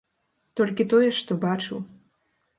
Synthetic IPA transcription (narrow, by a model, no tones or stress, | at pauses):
t̪olʲkʲit̪ojeʃt̪obɑt͡ʃu